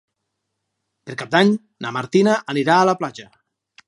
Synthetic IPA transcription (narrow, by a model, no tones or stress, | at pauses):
peɾkap̚d̪aɲ | namaɾt̪inaʔːniɾaːləplad͡ʒə